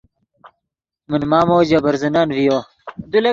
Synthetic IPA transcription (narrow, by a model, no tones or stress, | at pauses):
munmaːmoːd͡ʑɐbɐɾzɐnaːnvijo | d̪ule